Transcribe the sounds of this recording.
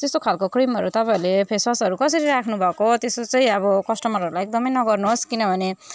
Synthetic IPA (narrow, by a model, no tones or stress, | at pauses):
t̪est̪okʰalkokrimʌɾut̪ʌpaĩlepʰeswasʌɾukʌsʌɾiɾakʰnubʱʌkot̪esot͡sʌĩʌβʌkʌsʈʌmʌɾʌɾulajek̚d̪ʌmʌjnʌɡʌrnuɦoskinʌbʱʌne